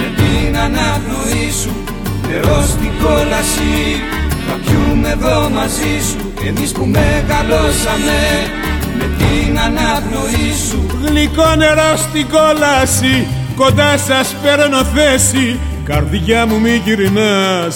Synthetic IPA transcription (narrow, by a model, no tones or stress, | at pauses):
mepinɐnɐvnoisu | neɾost̪iɡolɐsi | kɐpçumeðomɐzisu | emispumeɣɐlosɐme | mepinɐnɐvloisuɣliko̞ne̞ɾost̪iɡolɐsi | ko̞nd̪ɐsɐspeɾonoθesi | kɐɾðʝɐmumiʝiɾinɐs